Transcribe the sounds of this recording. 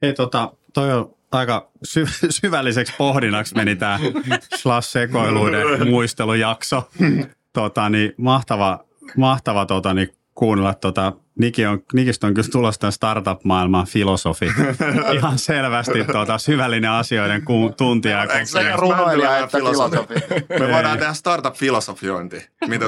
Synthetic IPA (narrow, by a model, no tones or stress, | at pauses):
eit̪ot̪ɑ | t̪oio | ɑikɑsyʋsyʋælːisekspohdinɑksmenit̪æːslɑsːekoiluidemuist̪elujɑkso | t̪ot̪ɑnimɑht̪ɑʋɑ | mɑht̪ɑʋɑt̪ot̪ɑni | kuːnelːɑt̪ːot̪ɑ | nikioŋnikist̪oŋkylt̪ulost̪ænst̪ɑrt̪ɑpmɑilmɑfilosofiihɑnselʋæst̪it̪ːot̪ɑsyʋælːineɑsioideŋkut̪unt̪iɑikserunloofmeoit̪ɑːnt̪ehæst̪ɑrt̪ɑpfilosofioint̪imit̪æ